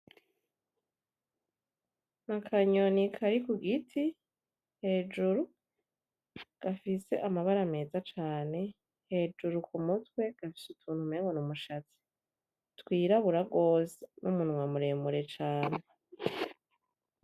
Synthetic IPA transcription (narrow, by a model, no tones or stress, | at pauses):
nakʰaɲonikʰaɾikuɡitʰi | he̞ːd͡ʒuɾu | ɡ̥afise̞̰ʔamaβaɾame̞ːzat͡ʃaːne̞ | he̞d͡ʒuɾukumutwe̞ɡ̥afi̥sutʰuːnhumeːŋɡonumuʃat͡si̥ | twiːɾaβuɾaɡo̞ːzenʔumunŋwamuɾe̞ːmuɾe̞t͡ʃaːne̞